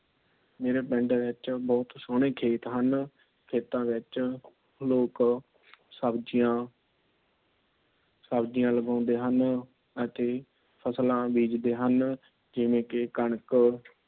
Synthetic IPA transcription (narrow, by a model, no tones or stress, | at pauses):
meːɾeːpɛɳɖʋɪt͡ʃbɔːt̪soːɳ̃ẽːkʰeːt̪ɦən | kʰeːt̪ãːʋɪt͡ʃ | loːk | səbd͡ʒijãː | səbd͡ʒɪjãːləɡãːʊ̃nd̪eːɦən | ət̪eː | pʰəslãːbiːd͡ʒd̪eːɦən | d͡ʒɪʋẽːkɪkəɳək